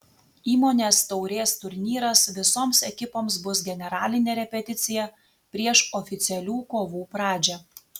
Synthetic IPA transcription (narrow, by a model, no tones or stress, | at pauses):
iːmoːnʲeːst̪ɔʊɾʲeːst̪ʊɾʲnʲiːɾɐsʋʲɪsoːmsɛkʲɪpoːmsbʊs̬ɡʲɛnʲɛɾɑːlʲɪnʲeːɾʲɛpʲɛt̪ʲɪt̪sʲɪjɛ | pʲɾʲiɛʃɔfʲɪt̪sʲɛlʲuːkoːʋuːpɾɑːd͡ʒʲɛ